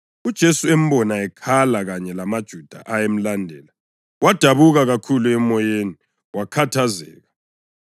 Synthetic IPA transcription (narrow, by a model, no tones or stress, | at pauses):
ud̥ʒ̥ʱesuem̩bɔnaɛkʰalaɣaɲɛlamad̥ʒ̥ʱud̥ʱa̰ʔajem̩landʱɛːla | wad̥ʱaβuɣaɣakʰuluɛmɔjeni | wakʰatʰazɛ̰ːɣa